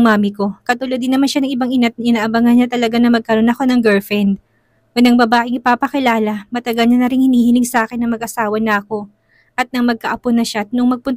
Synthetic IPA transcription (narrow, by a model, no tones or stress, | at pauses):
ŋmaːmɪko̞kɐt̪ʊlod̪ɪnːɐmanʃanɐŋʔɪbaŋɪnat̪̚ɐɪnaːʔɐbɐŋɐnɲat̪ɐlɐɡanɐmɐɡ̚kɐɾo̞nɐko̞nɐŋɡɛlfɛnd̪̚ | wɐlɐŋbɐbaːʔɪŋɪpaːpɐkɪlaːlɐmɐt̪ɐɡɐlɲɐnɐɾɪŋhɪniːhɪnɪŋsɐʔaːkɪnːɐŋmɐɡ̚ʔɐsaːwɐnɐʔɐko̞ | ʔɐt̪̚nɐŋmɐɡ̚kɐʔɐponːɐʃat̪̚noʔɐŋmɐɡ̚pʊnt̪